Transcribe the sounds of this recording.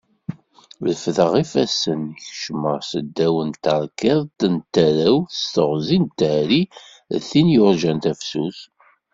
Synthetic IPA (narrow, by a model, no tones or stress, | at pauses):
ləfðəʁifæsənçʃməʁˤsəd̪ːæwənt̪ɑɾˤkɪðˤt̪ənt̪æɾæwθəst̪əʁzint̪ːəhɾi | θinjʊɾʒænt̪æfsuθ